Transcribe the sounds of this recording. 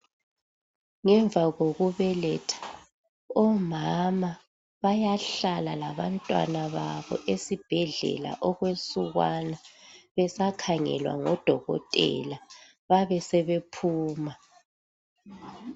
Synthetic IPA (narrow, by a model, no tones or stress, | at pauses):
ŋɛɱvʱaɣoɣuβɛlɛtʰḁ | ɔmama | βajaɬalalaβantʼwa̰naβaβɔ̰ʔesib̥ʱɛɮɛ̰la̰ʔɔɣwesuɣwanaβɛsakʰaŋɛ̰lwa̰ŋɔd̥ʱɔɣɔ̰tʼɛ̰la | βaβɛsɛβepʰuːma